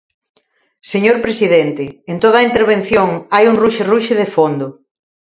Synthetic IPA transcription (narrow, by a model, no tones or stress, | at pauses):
seɲoɾpɾesiðent̪ɪːnt̪oðɐaint̪eɾβ̞en̟θjoŋajuŋruʃeruʃɪð̞efond̪ʊ